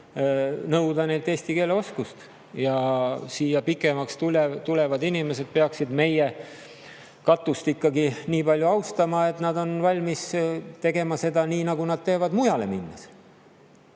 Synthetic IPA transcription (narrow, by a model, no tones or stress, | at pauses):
nɤwd̪̥ɑne̞jlt̪e̞ːsʲt̪ike̞ːleo̞skust̪ | jɑsiːjɑpikːˑe̞mɑkst̪ulet̪ulevɑd̪inime̞se̞d̪̥̚peɑksid̪me̞je | kɑt̪ːˑust̪ikːɑɡiniːpɑlʲjuɑwst̪ɑmɑe̞t̪ˑnɑd̪̥o̞nvɑlʲmist̪e̞ɡe̞mɑse̞d̪ɑniːnɑɡ̥unɑd̪̥̚t̪e̞ːvɑd̪mujɑle̞̰minːɑ̰s